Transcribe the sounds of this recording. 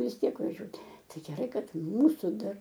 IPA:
ʋʲɪs ˈtʲiɛk ʋɐˈʒʲuɔtʲ ˈtɐɪ ɡʲɛˈrɐɪ ˈkɐt ˈmuːsʊ ˈdɐr

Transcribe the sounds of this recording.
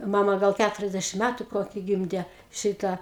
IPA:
ˈmɑːmɐ ˈɡɐlˠ ˈkʲætʊrʲɛzʲdʲɛʃʲɪm ˈmʲætʊ ˈkoːkʲɪ ˈɡʲɪmʲdʲɛ ˈʃʲɪtɑː

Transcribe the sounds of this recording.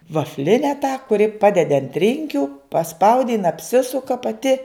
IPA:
ʋɐfʲˈlʲɪnʲɛ tɑː kʊˈrʲɪ ˈpɑːdʲɛdʲɪ ɐnt ˈrʲɪŋʲkʲʊ pɐˈspɐʊdʲɪ jɪn ɐpʲˈsʲɪsʊkɐ pɐˈtʲɪ

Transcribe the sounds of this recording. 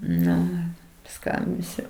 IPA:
ˈnʊ ɪr pɐˈskɐmʲbʲɪsʲʊ

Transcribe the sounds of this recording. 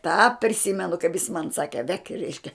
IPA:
tɑː pʲrʲɪˈsʲɪmʲɛnʊ kɐɪp jɪs mɐn ˈsɑːkʲɛ ʋʲɛkʲ ˈrʲɛɪʃʲkʲɛ

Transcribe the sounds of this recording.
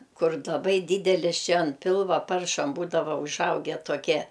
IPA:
ˈkʊr lˠɐˈbɐɪ ˈdʲiːdʲɛlʲɪs ˈt͡ʃʲɛ ɐn ˈpʲɪlˠʋɐ ˈpɐrʃɐm ˈbuːdɐʋɐ ʊˈʒɐʊɡʲɛ toːˈkʲiɛ

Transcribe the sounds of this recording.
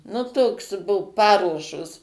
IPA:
nʊ ˈtoːks bʊ ˈpɑːruɔʃoːs

